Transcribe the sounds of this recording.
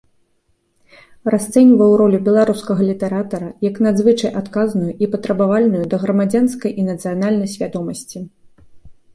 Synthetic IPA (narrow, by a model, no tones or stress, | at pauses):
rast̪sɛnʲvɐjwɾɔlʲubʲɛlˠaɾuskɐɣɐlʲit̪ɛɾat̪ɐɾɐjɐknad̪zvɨt͡ʂɐjʔat̪kaznujuʔipɐt̪ɾɐbavalʲnujud̪ɐɣɾɐmad͡zʲanskɐjʔinɐt̪sɨjanalʲnɐjsʲvʲad̪ɔmɐsʲt͡sʲi